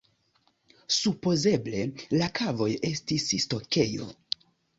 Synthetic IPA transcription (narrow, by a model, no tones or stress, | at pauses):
supo̞ze̞ble̞lakʰavo̞je̞stisisto̞ke̞jo̞̰